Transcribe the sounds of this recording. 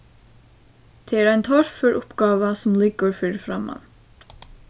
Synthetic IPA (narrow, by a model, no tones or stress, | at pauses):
d̪̥ʰeæɖæɪnt̪ʰɔɾfʏɾʔʊpɡɑːʋəsɔmlɪɡəfʏːɾfɾɑmɑ̰n